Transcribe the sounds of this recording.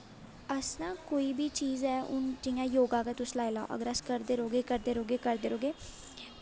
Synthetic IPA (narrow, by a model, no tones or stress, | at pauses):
əsnãːkoːiːbʱiːt͡ʃiːzɛːʊ̰nd͡ʒɪjãːjoːɡaːkət̪ʊslaːilao̰ːʔə̰ɡəɾəskəɾd̪eːɾoːɡeːkəɾd̪eːɾoːɡeːkəɾd̪eːɾoːɡeː